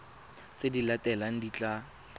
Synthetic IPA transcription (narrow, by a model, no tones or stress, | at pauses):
t͡sʼedilatɛlaŋ̩dit͡ɬʼa